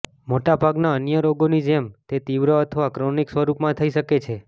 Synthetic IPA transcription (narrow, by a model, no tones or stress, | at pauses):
moʈabʱaɡnaənjəɾoɡonid͡ʒemt̪et̪iʋɾəət̪ʰəʋakɾoniksʋəɾupmãt̪ʰəiʃəket͡ʃʰe